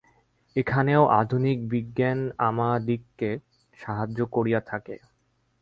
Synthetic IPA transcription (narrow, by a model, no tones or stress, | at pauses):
ekʰaneoʔa̰d̪ʱunik̚biɡːanamad̪ikːe | ʃaɦad͡ʑːokoɾijat̪ʰakḛ